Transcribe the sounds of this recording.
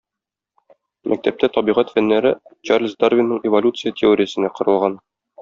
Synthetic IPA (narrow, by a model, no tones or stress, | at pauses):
mʔæ̰k̚t̪æp̚t̪æt̪ɒbiʁæt̪fænːæɾɘt͡ɕarlʲsd̪arvʲɪnːɤɴɪvolʲut̪sɨjətʲʰɪoɾʲɪjəsɘ̆næqŏɾɤ̆lˠʁɑn